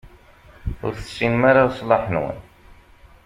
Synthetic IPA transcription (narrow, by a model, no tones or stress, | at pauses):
ʊ̰ɾθə̥sːinmaɾasˤlɑħnwə̰n